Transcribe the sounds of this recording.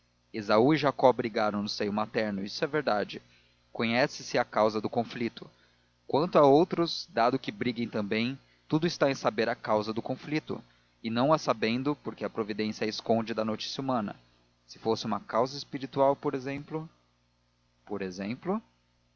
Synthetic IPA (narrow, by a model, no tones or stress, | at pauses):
ezauɪʒakɔbɾiɡaɾɐ̃w̃nʊsejʊmat̪ɛɾnʊisʊɛveɾd̪ad͡ʒɪ | kõɲɛsɪsɪakawzɐd̪ʊkõflit̪ʊ | kwɐ̃nt̪ʊaowt̪ɾʊzd̪ad̪ʊkɪbɾiɡẽj̃t̪ɐ̃mbẽj̃ | t̪ud̪ʊɪst̪aẽj̃sabeɾɐkawzɐd̪ʊkõflit̪ʊ̰ | ɪnɐ̃w̃asabẽnd̪ʊpoɾkɪɐpɾovid̪ẽsiɐɪskõnd͡ʒɪd̪ɐnot͡ʃi̥sjɐumɐ̃nɐ̰ | sɪ̥fosɪũmɐkawzɐɪspiɾit̪uawpoɾezẽplʊ | poɾezẽmplʊ